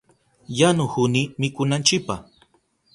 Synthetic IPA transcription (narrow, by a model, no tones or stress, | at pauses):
janʊhʊnimɪkʊnant͡ʃɪpa̰h